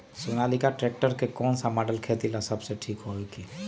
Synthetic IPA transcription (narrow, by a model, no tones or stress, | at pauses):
sunalikaʈɾɛk̚ʈəɾkekɔnsamaɖəlkʰet̪ilasəbseʈʰikɦoɛki